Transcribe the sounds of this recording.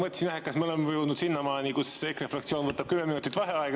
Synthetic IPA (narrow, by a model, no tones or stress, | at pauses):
mɤt̪sinæɦekːɑsmeolemevjuːd̪nud̪sinːɑmɑːnikusekrefrɑkt̪sio̞ːnvɤt̪ːˑɑb̥̚kymːeminut̪ːˑit̪ːˑvɑɦeɑeɡ